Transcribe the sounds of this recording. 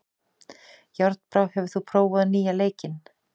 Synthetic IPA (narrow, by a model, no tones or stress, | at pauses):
jaɾt̪̚npɾawhɛvʏθupʰɾoːwvaðniːjaleːjcɪn